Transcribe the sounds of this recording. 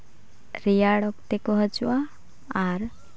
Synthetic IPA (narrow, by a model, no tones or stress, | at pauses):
ɾijaɽɔkt̪ekɔɦɔd͡ʒuaː | ɾ